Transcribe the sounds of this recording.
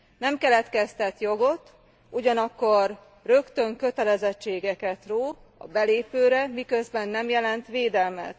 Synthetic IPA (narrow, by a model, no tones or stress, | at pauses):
nɛmkɛlɛt̪kɛst̪ɛt̪jo̞ɡo̞t̪ | uɟɒnɒkːo̞r | rø̞kt̪ø̞ŋkø̞t̪ɛlɛzɛt͡ʃːeːɡɛkɛt̪roːɒ̰bɛleːpøːɾɛmikø̞zbɛnːɛmjɛlɛnt̪ʋeːd̪ɛlmɛ̰t̪